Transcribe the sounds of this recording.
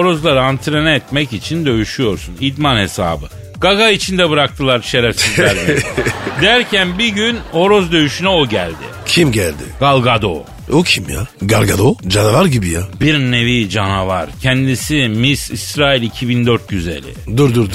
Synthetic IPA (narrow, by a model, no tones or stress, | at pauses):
oɾo̞zlˠaɾaant̪ʰɾenɛɛt̪mɛcit͡ʃʰind̪ø̞jyʃyjo̞ɾsunid̪manhe̞sa̰ːbɯ | ɡ̥aɡait͡ʃʰind̪ɛbɯɾak̚t̪ʰɯlˠaɾʃejlʲæɾsizæɾmid̪æɾcʰænbiɟyno̞ɾo̞zd̪ø̞jyʃynɛoɟæ̰lʲd̪ɪ̰cʰimɟælʲd̪ɪ̰ɡ̥alˠɡad̪o̰ | ocʰimja̰ɡalˠɡad̪od͡ʒanavaɾɟibijabiɾnnːevid͡ʒanavaɾcʰɛnd̪isimisḭsɾaːilʲicʰibind̪øɾt̪̚ɟyze̞̰lʲɪ̰d̪uɾd̪uɾd̪u